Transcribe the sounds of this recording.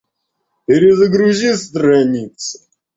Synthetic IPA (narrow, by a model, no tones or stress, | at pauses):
ɪɾʲɪzəɡɾuzʲist̪ɾɐnʲit̪sɨ̥